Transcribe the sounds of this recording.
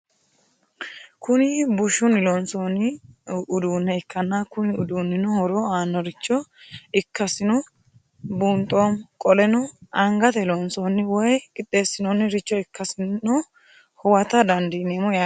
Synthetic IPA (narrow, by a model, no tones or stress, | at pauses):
kʊnɪbʊʃʊnɪlɔnsonɪʊd̪uːnːɛɪkʰːɐnːakʊnɪʊd̪uːnːɪnɔhɔɾoaːnːɔɾɪt͡ʃːɔɪkːɐsɪnɔ | buːnt̪ʼoːmkʼɔlɛnɔɐŋɡɐt̪ɛlɔnsoːnːɪwɔjkʼɪt̪ʼːe̞ːsːɪnoːnːɪɾɪt͡ʃːɔɪkːɐsɪnɔ | hɔwɐt̪ɐd̪ɐnd̪ineːmːɔja